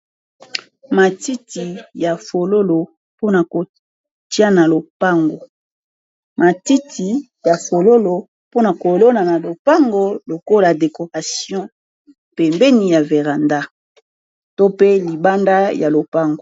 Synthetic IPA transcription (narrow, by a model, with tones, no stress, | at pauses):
ma˨ti˦ti˨ja˨fo˨lo˦lo˨ | po˦na˨ko˨ | tja˦na˨lo˨pa˦ŋɡo˨ | ma˨ti˦tʰi˨ | ja˨fo˨lo˦lo˨ | po˦na˨ko˨lo˦na˨na˨lo˨pa˦ŋɡo˦lo˨ko˦la˨de˨ko˨ʁa˨sjɔ̃˦ | pe˨mbɛ˦ni˨ja˨ve˨ʁa˨nda˦ | to˦pe˦li˨ba˦nda˦ja˨lo˨pa˦ŋɡo˨